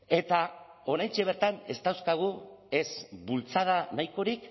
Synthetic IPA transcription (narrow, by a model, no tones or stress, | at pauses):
e̞t̪ao̞ɾajnt͡ʃeβ̞e̞ɾt̪ane̞st̪awskaɣ̞ue̞sbult͡sað̞anajko̞ɾik